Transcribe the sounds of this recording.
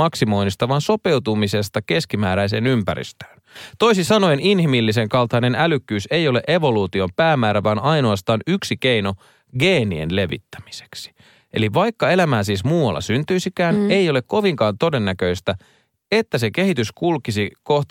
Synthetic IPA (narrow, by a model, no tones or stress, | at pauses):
ɑksimo̞inist̪ɑʋɑːnso̞pe̞wt̪umise̞st̪ɑke̞skimæːɾæijse̞̰ːnympæ̰ɾḭst̪ø̥ːnt̪o̞isisɑno̞eninhimilːiseŋkɑlt̪ɑine̞nælykːyːsejo̞leʔe̞ʋo̞luːt̪io̞mpæːmːæːɾæʋɑːnɑinoɑst̪ɑːnyksikeino̞ | ɡe̞ːnie̞̰nle̞ʋḭt̪ːæ̥mi̥se̥ksi̥ | ʔe̞̰liʋɑjkːɑe̞læmæːsiːsmuːwɑ̰lːɑ̰synt̪yjsikæːnejo̞le̞kko̞ʋiŋkɑːnt̪o̞de̞nːækø̞ist̪æ | et̪ːæseke̞hit̪yskulkisiko̞ht̪